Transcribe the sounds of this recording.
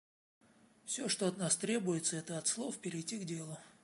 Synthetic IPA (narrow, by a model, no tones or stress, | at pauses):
fsʲoʂt̪o̞ɐt̪nast̪ɾʲe̞bʊjɪt̪səɛt̪əɐt̪slˠofpʲɪɾʲɪjtʲiɡdʲelˠʊ